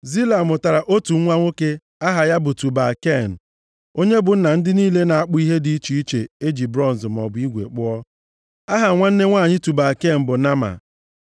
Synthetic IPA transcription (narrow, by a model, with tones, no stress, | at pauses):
zi˦la˨mʊ˨ta˨ɾa˨ʔo˦tu˨ŋ̩˦ŋʷa˦ŋʷo˦ke˦ | a˦ɦa˨ja˦bʊ˨tu˨ba˨ke˦˨n̩˨ | o˦ɲe˦bʊ˨n̩˦na˨n̩˦dɪ˦niː˦le˦na˨a˦˨k͡pʊ˦i˦ɦe˦di˦i˦t͡ʃi˨i˦t͡ʃe˨e˦d͡ʒi˨bɾɔ˦n˨zm˨ɔ̰˨bʊ˨i˦ɡʷḛ˨k͡pʊ˦ɔ˦ | a˦ɦa˨ŋʷa˦n̩˦ne˦ŋʷaː˦˨ɲɪ˦tu˨ba˨ke˦˨n̩˨bʊ˨na˦ma̰˨